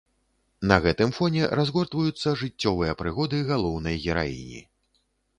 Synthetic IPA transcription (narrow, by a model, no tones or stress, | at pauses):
nɐɣɛt̪ɨmfɔnʲɛɾazɣɔrt̪vɐjut̪sːɐʐɨt͡sʲːɔvɨjɐpɾɨɣɔd̪ɨɣalˠɔwnɐjɣʲɛɾa̰jḭnʲḭ